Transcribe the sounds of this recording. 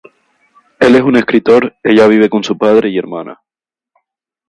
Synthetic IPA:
e̞lesune̞skɾit̪o̞ɾe̞ʝaβ̞iβ̞e̞ko̞nsupað̞ɾe̞ie̞ɾmãna̰

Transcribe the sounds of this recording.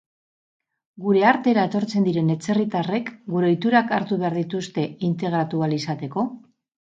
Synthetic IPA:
ɡuɾe̞aɾt̪e̞ɾaet̪o̞ɾt͡send̪iɾe̞ne̞t͡se̞rit̪are̞kɡuɾeo̞jt̪uɾakaɾt̪uβe̞aɾðit̪ust̪e̞int̪e̞ɣ̞ɾat̪ualisat̪e̞ko̞

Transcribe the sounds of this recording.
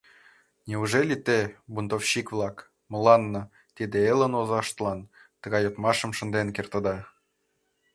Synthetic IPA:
nʲeuʒelʲit̪ebunt̪ofɕikβlˠɑk | mə̆lɑnːɤ | t̪id̪eelə̆nozɑʃt̪əlˠɑn | t̪ə̆ɣɑjot̪mɑʃə̆mʃə̆nd̪enkert̪ə̆d̪ɑ

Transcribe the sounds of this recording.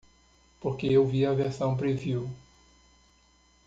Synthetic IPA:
poɾkeewviɐveɾsɐ̃w̃pɾeviw

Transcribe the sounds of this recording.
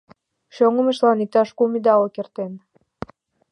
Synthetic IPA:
ʃoŋə̆mə̆ʃlɑnik̚t̪ɑʃkumid̪ɑlokert̪en

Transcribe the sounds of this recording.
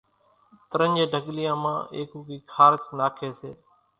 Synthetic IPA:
t̪əɾə̃nd͡ʒeːɖʱəɡlɪjãːmã̰ːʔḛːkʊːkiːkʰaːɾt͡ʃnaːkʰeːseː

